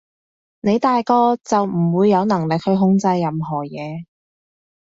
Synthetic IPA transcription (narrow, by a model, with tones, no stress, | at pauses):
ne˨˧jt̪aː˨jkɔː˧t͡sɐ˨wm̩˨˩wuː˨˧jːɐ˨˧wnɐ˨˩ŋlɪ˨k̚hɵ˧ɥɦʊ˧ŋt͡sɐ˧jːɐ˨mɦɔː˨˩jɛː˨˧